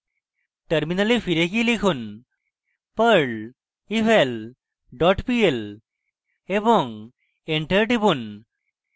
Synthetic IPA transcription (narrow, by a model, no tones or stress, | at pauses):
ʈəɾminəlifʰiɾekilikʰun | pəɾɖ | ifel | ɖɔʈpiel | ebɔŋɡ | eɳʈəɾɖibun